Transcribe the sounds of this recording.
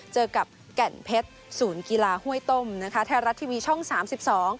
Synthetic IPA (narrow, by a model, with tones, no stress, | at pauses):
t͡ɕɤː˧ka˨˩p̚ | kɛ˨˩npʰe˦˥t̪̚suː˩˦nki˧laː˧hu˥˩əjt̪o˥˩mna˦˥kʰa˦˥t̪ʰɛː˧ɾa˦˥t̪ʰːiː˧wiː˧t͡ɕʰɔ˥˩ŋsaː˩˦msi˨˩p̚sɔː˩˦ŋ